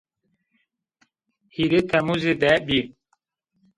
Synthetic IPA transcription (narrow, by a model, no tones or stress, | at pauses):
hiɾet̪ʰɛmuzed̪ɛbi